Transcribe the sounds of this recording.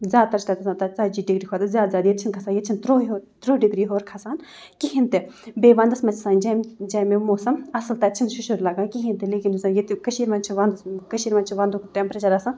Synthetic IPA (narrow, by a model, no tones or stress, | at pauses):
zʲaːd̪̚t̪ɐɾt͡ʃʰt̪at̪ɐsaːnt̪at͡saːd͡ʒiːɖiɡɾiːkʰaːt̪ɐzʲjaːd̪zʲjaːd̪jet̪̚t͡ʃʰinkʰɐsaːnjet̪t͡ʃʰint̪ɾoːoːt̪ɾoːɖiɡɾiːɦoːɾkʰɐsaːn | kiɦĩnt̪ebeːʋɐ̃nd̪ɐsmɐt͡ʃʰsãːnd͡ʒɛmd͡ʒaːmemoːsɐmɐslt̪ɐt͡ʃʰinʃuʃoɾlaːɡaːkiɦĩnt̪eleːkinsɐjet̪kɐʃiːɾmɐnt͡ʃʰiʋɐnd̪skɐʃiːɾmɐnt͡ʃʰiʋɐ̃nd̪ukt̪empɾɐt͡ʃaːɾasɐn